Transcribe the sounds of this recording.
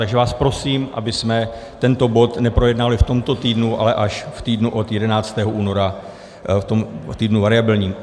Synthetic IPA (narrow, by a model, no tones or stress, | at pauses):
t̪aɡʒɛvaːspɾo̞siːmʔa̰bɪsmɛ | t̪ɛnt̪o̞bo̞t̪nɛpɾo̞jɛdnaalɪft̪o̞mt̪o̞t̪iːdnuʔa̰lɛʔaʃft̪iːdnuʔo̞t̪jɛdɛnaːt͡st̪ɛːɦoʔuːno̞ɾa | t̪o̞mt̪iːdnuvaɾɪabɪlɲiːm